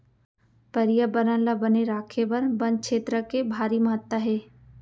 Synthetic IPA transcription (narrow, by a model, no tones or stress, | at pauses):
pɐɾijəbəɾə̃nləbɐneɾaːkʰebɐɾbɐ̃n̚kʃʰeːt̪ɾəkebʱaːɾiməɦət̪ːəɦeː